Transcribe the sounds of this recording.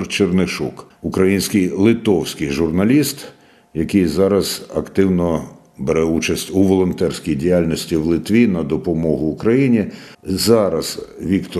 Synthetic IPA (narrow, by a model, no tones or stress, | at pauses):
rt͡ʃernɪʃṵkʊkɾɐjinʲsʲkɪjlˠɪt̪ɔwsʲkɪjʒʊrnɐlʲist̪ | jɐkɪjzɑɾɐz̥ɐkt̪ɪwnɔ | beɾɛut͡ʃɐsʲtʲuʋɔlˠɔnt̪ɛrsʲkʲijdʲijalʲnʲɔsʲtʲiwlˠɪt̪ʋʲinɐd̪ɔpɔmɔɦʊːkɾɐjinʲi | zɑɾɐz̥ʋʲikt̪ɔ